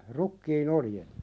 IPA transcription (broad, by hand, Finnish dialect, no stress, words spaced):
rukːiːn oljet